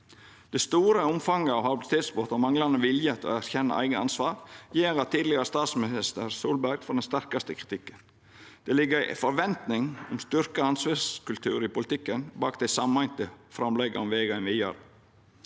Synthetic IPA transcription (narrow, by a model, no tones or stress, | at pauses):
d̪̥ɛst̪uːɾəʊmfɑŋəɑːʋhɑbɪlɪt̪ʰeːt̪sbɔt̪ɔmɑŋlɑnəʋɪljət̪ʰo̰ːæɾçɛnːə̰ʔæ̰ɪɡəɑ̰nsʋɑːɾjeːɾɑt̪ʰːiːd̪lɪɡəɾəst̪ɑːt̪smɪnɪst̪əɾsuːlbæɾɡ̥fɔɖ̪ɛnst̪æɾkɑst̪əkʰɾɪt̪ʰɪkːən | d̪̥ɛlɪɡːəɾɪfɔɾʋɛnt̪nɪŋɔmst̪ʏɾkəɑnsʋeskʉlt̪ʰʉ̰ːɾɪpʊlɪt̪ʰɪkːənbɑːkd̪æɪsɑmæɪnt̪əfɾɑmlɛɡə̰ɔmʋeːɡɑɛnʋiːɑ̰ːɾə